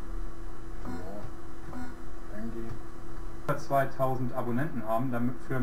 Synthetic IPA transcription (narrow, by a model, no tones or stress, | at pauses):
oː | ɛnɡeː | ɐt͡sv̥aɪtʰaʊzn̩tʔabonɛntn̩ɦaːbm̩dmfyːɐ